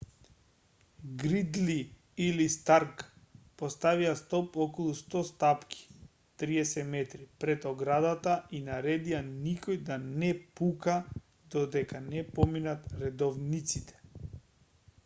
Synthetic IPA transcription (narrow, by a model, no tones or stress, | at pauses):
ɡɾid̪li | ilist̪aɾkpɔst̪aviast̪ɔpɔkɔlˠust̪ɔst̪apkʰi̥ | t̪ɾiɛsɛt̪mɛt̪ɾipɾɛt̪ɔɡɾad̪at̪ainaɾɛd̪ianikɔjd̪anɛpuka | d̪ɔd̪ɛkanɛpɔminat̪ɾɛd̪ɔvnit̪sit̪ɛ̥